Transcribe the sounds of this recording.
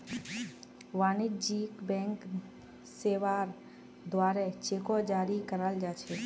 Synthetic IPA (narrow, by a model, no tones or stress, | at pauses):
ʋaːnɪd͡ʒiːkbɛ̃ːŋk | seːʋaɾ | d̪waːɾet͡ʃeːkod͡ʒaːɾikəɾəld͡ʒaːt͡ʃʰɛ